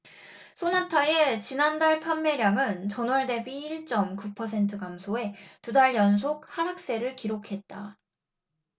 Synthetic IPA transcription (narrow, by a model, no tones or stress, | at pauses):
sʰonatʰae̞t͡ɕinandaɭpʰamːe̞ɾjaŋɯnt͡ɕʌnwʌɭde̞biːɭt͡ɕ͈ʌmkupʰʌsʰe̞ntʰɯɡamsʰoe̞tudaɭjʌns̬ʰok̚haɾɦak̚s͈e̞ɾɯɭkiɾokʰe̞t̚t͈a